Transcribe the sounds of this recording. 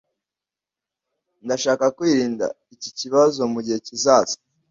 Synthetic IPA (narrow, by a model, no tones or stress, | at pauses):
ndaʃaːkakwiːɾiːnda̰ | iciciβazo̞muɟihe̞cizaːsi̥